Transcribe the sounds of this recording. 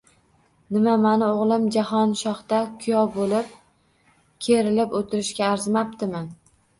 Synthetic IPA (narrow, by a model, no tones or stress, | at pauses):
nɪmamanɪoʁlˠɪmd͡ʒahɒnʃɒχt̪akʰʊjɒbolɪp̚ | kʲʰe̞ɾɪlɪpot̪ʰɪɾɪʃkʲaːɾzmap̚t̪ɪmɪn